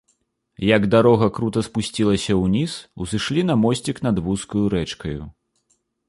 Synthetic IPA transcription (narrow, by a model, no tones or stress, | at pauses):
jɐɡd̪aɾɔɣɐkɾut̪ɐspusʲt͡sʲilˠɐsʲɐwnʲisuzɨʂlʲinɐmɔsʲt͡sʲiknɐd̪vuskujuɾɛt͡ʂkɐjṵ